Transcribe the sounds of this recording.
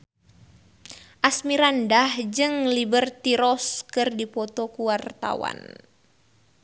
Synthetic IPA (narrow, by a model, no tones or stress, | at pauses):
ʔasmiɾandahd͡ʒɨŋlibərt̪iɾɔskɨrdipɔt̪okuwart̪a̰wa̰n